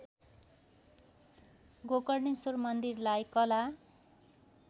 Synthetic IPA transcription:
ɡokʌrnisormʌnd̪irlajkʌla

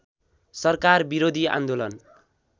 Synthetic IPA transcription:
sʌrkarbiɾod̪ʱia̰nd̪olʌn

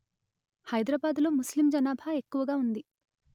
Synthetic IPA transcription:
hɐjd̪ɾaːbaːd̪lo̞ːmuslimd͡ʒɐnaːbʱaːe̞kːuʋɐɡaːund̪i

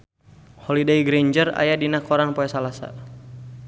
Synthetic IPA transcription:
hɔlidɛjɡɾeɲd͡ʒəra̰jadinakɔɾanpoɛsalasa̰

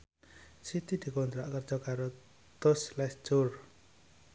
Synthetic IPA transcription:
sit̪id̪̥i̤kont̪ɾaʔkərd̥ʒ̥ɔkaɾo | t̪ʊslɛsd͡ʒʊr

